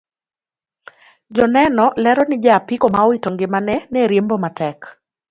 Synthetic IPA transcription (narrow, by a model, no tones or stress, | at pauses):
d͡ʒɔnɛnɔlɛɾɔnɪd͡ʒɛapikɔmaɔitoŋɡɪmanɛneɾjembɔmatɛk